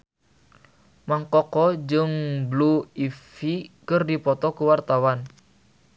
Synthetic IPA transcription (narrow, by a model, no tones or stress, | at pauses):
maŋkɔkɔd͡ʒɨŋbluifikɨrdipɔt̪ɔkuwart̪awan